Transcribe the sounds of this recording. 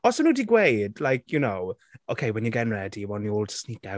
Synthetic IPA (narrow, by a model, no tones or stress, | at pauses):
ɔsonuːdiɡweɪdlajkʰjənow | ʔoʊkʰeɪwɛnjəɡɛnɹɛdiwɔniɔlˠtʰə̥snika